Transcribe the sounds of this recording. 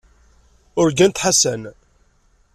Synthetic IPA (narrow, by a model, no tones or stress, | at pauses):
ʊɾɡænt̪ħasæn